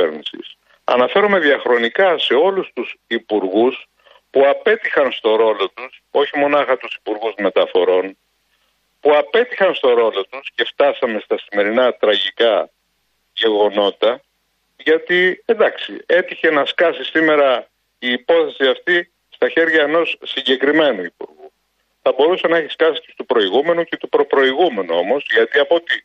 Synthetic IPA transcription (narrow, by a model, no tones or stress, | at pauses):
eɾnisḭs | ɐ̰nɐfe̞ɾome̞ðiɐxɾo̞nikɐse̞o̞lust̪usipuɾɣus | puɐpe̞t̪ixɐnst̪o̞ɾo̞lo̞t̪uso̞çimo̞nɐxɐt̪usi̥puɾɣuzme̞t̪ɐfo̞ɾo̞n | puɐpe̞t̪ixɐnst̪o̞ɾo̞lo̞t̪usce̞ft̪ɐsɐme̞st̪ɐsime̞ɾinɐt̪ɾɐʝikɐ | ʝe̞ɣo̞no̞t̪ɐ | ʝɐt̪iend̪ɐksie̞t̪içe̞nɐskɐsisime̞ɾɐ | iːpo̞θe̞siɐft̪i | st̪ɐçe̞ɾʝɐeno̞sːiɲɟe̞kɾime̞nuipuɾɣu | θɐbo̞ɾusenɐe̞çi̥skɐsi̥cest̪upɾo̞iɣume̞nucet̪upɾo̞pɾo̞iɣume̞nuo̞mo̞zʝɐt̪iɐpo̞t̪i